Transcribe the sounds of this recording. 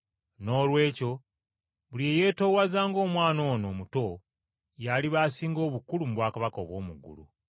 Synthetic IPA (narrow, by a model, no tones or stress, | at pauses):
no̞ːlwe̞ːco̞ | βulieje̞ːto̞ːwazaːŋɡo̞ːmwaːno̞ːno̞ːmuto̞ | jaliβaːsiːŋɡo̞ːβukulumuβwaːkaβako̰ːβwo̞ːmuɡṵlṵ